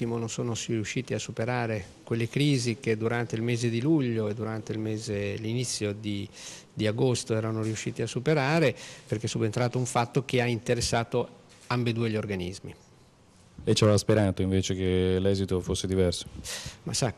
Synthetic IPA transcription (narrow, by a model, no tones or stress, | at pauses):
imononsoːnosriuʃːiːt̪iasːupeɾaːɾe | kwelːekɾiːzik̟ed̪uɾant̪eilmeːzed̪iluʎːoed̪ːuɾant̪eilmɛːzelinit̪sːjod̪i | d̪iaɡost̪oɛːɾanoriuʃːiːt̪iasːupeɾaːɾeperk̟esːubent̪ɾaːt̪ouɱfat̪ːok̟eaint̪eɾesːaːt̪o | ambed̪uːeʎiorɡanḭzmḭ | lɛjt͡ʃavɛvaspeɾaːt̪oiɱveːt͡ʃekelɛːzit̪ofosːed̪ivɛrso̥masa